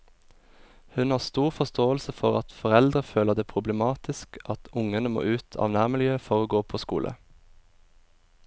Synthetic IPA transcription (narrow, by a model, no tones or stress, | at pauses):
hʉnhɑːʁst̪uːʁfɔst̪oːəlsəfɔʁɑt̪fɔʁɛld̪ʁəføːləʁd̪eːpʰʁʊbləmɑːt̪ɪskɑt̪ʊŋənəmo̰ːʔʉːt̪ʰɑ̰ːʋnæːʁmɪljøːfɔʁoːɡoːpʰoːskṵːlʔə̰